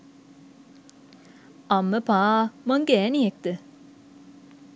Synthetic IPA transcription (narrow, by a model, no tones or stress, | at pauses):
ɐmːəpaːmɐŋɡɛːnijek̚t̪ə